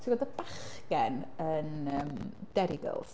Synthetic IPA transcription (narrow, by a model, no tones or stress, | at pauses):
tʰiwɔdəbaχɡɛnənəmd̥ɛɾɪɡə̰lˠs